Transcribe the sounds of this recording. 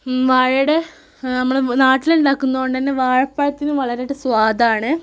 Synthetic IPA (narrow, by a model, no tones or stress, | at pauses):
ʋaːɻɽe | nɐmːɐɭenaːʈːiluɳɖaːkːunːɐɣoɳɖɨt̪ɐnːeʋaːɻɐpːaːjɐt̪ːinuʋɐɭɐɾeɽesʋaːd̪aːɳɨ